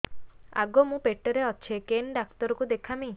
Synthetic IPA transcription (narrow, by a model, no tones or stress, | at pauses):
a̰ɡomũpeʈːɔɾeɔt͡ʃʰekenɖakt̪ɔɾɔkud̪ekʰami